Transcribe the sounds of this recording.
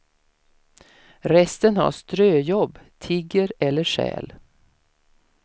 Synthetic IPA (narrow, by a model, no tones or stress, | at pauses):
ɾɛst̪ənha̰ʂt̪ɾøːjɔbːt̪ʰɪɡəɾɛlːəʂɛ̰ːl